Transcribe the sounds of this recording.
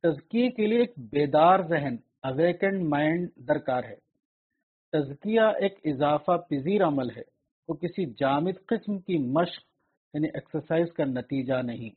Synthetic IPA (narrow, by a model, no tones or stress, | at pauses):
t̪ɐzkijekelieeːk̚beːd̪aːɾzɛɦən | ɐʋeːkə̃ɳɖmãːɪɳɖd̪ɐɾkaːɾɦɛ̰ː | t̪ɐzkijaʔeːkɪzaːfapɪziːɾɐməlɦɛ̰ | koːkɪsid͡ʒaːmɪd̪qɪsmkimɐʃq | jaːniʔɛːksəɾsaːɪzkanɐt̪iːd͡ʒanɐɦĩː